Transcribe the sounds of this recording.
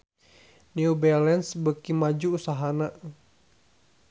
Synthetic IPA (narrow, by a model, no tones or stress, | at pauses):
niubɛlɛnsbəkimad͡ʒuːsaɦana